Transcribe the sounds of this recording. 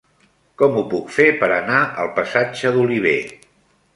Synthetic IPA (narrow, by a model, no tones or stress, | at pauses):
kɔmupukfepəɾənaʔəlˠpəsad͡ʒəðuliβ̞e